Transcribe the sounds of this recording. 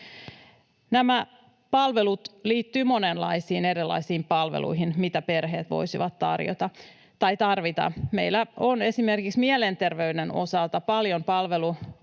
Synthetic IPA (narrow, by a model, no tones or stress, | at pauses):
næmæ | pɑlʋelut̪liːt̪ːyːmo̞nenlɑ̰isiːneɾilːˑɑ̰isiːmpɑlʋḛlṵjɦinmit̪æpe̞rɦe̞ːt̪ʋo̞̰jsiʋɑt̪tɑ̰rjo̰t̪ɑ | t̪ɑjt̪ɑrʋit̪ɑ̰mḛilːæone̞sime̞rkiksmielent̪e̞rʋe̞ydeno̞̰sɑlt̪ɑpɑljompɑlʋelu